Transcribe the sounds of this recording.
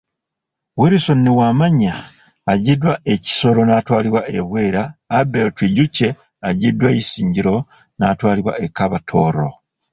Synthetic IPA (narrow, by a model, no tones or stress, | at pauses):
weɾiso̞nːiwaːmaɲaː | ɟidwae̞ci̥so̞ɾo̞naːtwaːliβwaʔeβwe̞ːɾaːbeltiɟucːe̞ | aɟidːwajisiːɲɟiɾo̞ | natwaːliβwa̰ʔekːaβatʰo̞ːɾo̞̰